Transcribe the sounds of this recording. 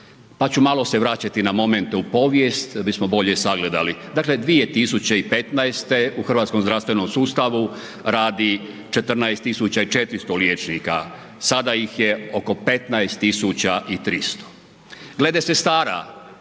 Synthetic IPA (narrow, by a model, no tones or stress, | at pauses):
pat͡ɕumaːlo̞se̞ʋɾaːt͡ɕat̪inamo̞me̞nt̪eupo̞ʋjest̪bismo̞bo̞ʎesaɡle̞d̪alid̪aːkle̞d̪ʋije̞t̪isut͡ɕeipe̞t̪naest̪euxrʋat̪ko̞mzɾast̪ʋe̞nomsuːst̪aʋu | ɾaːd̪i | t͡ʃet̪r̩naest̪ːisut͡ɕait͡ʃe̞t̪ɾist̪oljeːt͡ʃnika | sad̪aixjeo̞ko̞pe̞t̪naest̪ːisut͡ɕaʔit̪ɾist̪o̥ | ɡle̞d̪esest̪aːɾa̰